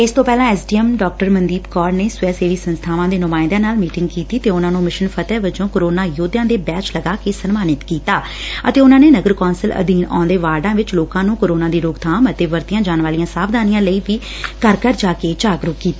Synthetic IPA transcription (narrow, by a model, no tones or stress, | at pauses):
ɪst̪õːpɛːlãːɛsɖiːɛmɖɔːk̚ʈəɾmənd̪iːbkɔːɾneːsʊɛːseːʋiːsənst̪ʰaːʋãːd̪eːnʊmaːɪ̃nd̪ãːnaːlmiːʈɪŋɡ̚kiːt̪iːt̪eːʊnãːnũːmɪʃənpʰət̪ɛːʋɪt͡ʃõːkoːɾoːnaːjoːd̪jãːd̪eːbɛːt͡ʃləɡaːkeːsənmaːnɪt̪kiːt̪aː | ə̰t̪eːʊnãːneːnəɡəɾkɔːnsələ̰d̪iːnɔ̰̃ːnd̪eːʋaːɾɖãːʋɪt͡ʃloːkãːnũːkoːɾoːnãːd̪iːɾoːɡt̪ʰaːmət̪eːʋəɾt̪ɪjãːd͡ʒaːnʋaːlijãːsaːbd̪aːnijãːləiːbiː | kəɾkəɾd͡ʒaːkeːt͡ʃaːɡɾʊkːiːt̪aː